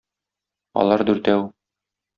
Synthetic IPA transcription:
ɒ̰lˠɑɾd̪ʉɾt̪æw

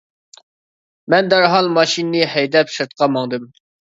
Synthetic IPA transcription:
mɛnd̪æɾɦɑlˠmɑʃinːɨhɛjd̪ɛpʃɨɾt̪̚qʰɑmɑŋd̪ɨm

